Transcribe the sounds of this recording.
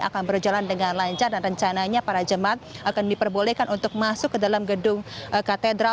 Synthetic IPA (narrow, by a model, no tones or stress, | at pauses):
a̰kanbərd͡ʒalandəŋanlaɲt͡ʃardanrəɲt͡ʃanaɲapaɾad͡ʒəmaat̪̚akandipərbolekanʔunt̪ʊk̚masʊkːədalamɡədʊŋəkat̪edɾa